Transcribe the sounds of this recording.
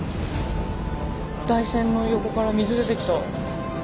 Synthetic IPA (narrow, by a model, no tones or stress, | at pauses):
d̪̥aisẽ̞nːo̞jo̞ko̞kaɾamʲizɨd̪et̪ekʲi̥t̪o